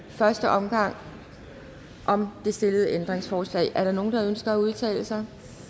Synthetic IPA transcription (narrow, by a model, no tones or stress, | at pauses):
fɶɐsd̥əʔɒ̽mɡ̥ɑ̈ŋ̰ | ʔɒ̽md̥e̝sd̥e̝ləð̞̩ˠəʔend̥ʁeŋsfɒːslɛ̰ɪʔæɐɾɑ̈no̝ːn̩d̥ɑ̈ønsɡ̥ɐæuð̞ˠt͡sʰɛ̰ːləsɑ̈ɪ